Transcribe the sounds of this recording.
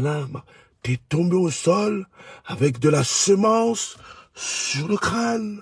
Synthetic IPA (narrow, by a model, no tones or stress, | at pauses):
lab | t̪ɛt̪ɔ̃beosɔlavɛkd̪əlasəmɑ̃sː | yʁləkχan